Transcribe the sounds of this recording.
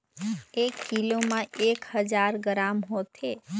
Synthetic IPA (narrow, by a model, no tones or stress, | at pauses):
ekːilomãekhəd͡ʒaɾɡɾamɦot̪ʰe